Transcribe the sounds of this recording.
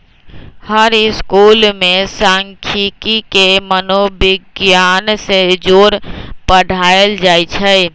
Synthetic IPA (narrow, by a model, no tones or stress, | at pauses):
həɾɪskuːlmẽsãːŋkʰikikemənobɪɡjaːnsed͡ʒoːɾpəɽʱaːeld͡ʒaːit͡ʃʰɛ